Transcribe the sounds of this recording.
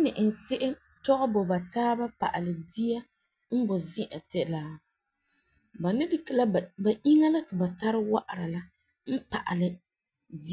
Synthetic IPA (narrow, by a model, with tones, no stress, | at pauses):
a˦nɪ˨ʔɪ˨n˨sɪ˦ʔɪ˦ | tɔ˦ɣɔ˦bɔ˨ba˨taː˦ba˦pa̰˨ʔa˨lɨ˨di˦ja˦ | m̩˦bɔ˨zɪ˦ʔa˨tɛ˨˦la˦ | ba˨nɪ˦di˨kɪ˨la˦˨ba˨ʔi˦ŋa˦la˦tɪ˨ba˨ta˦ɾɪ˦wa˦ʔa˨ɾa˨la˦ | m̩˦pa̰˨ʔa̰˨lɨ˨ | di˦